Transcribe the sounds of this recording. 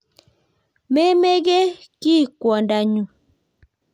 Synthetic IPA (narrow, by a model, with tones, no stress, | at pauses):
me˦me˦ɡe˦ki˦˨kwɔ˨nda˨ɲu˨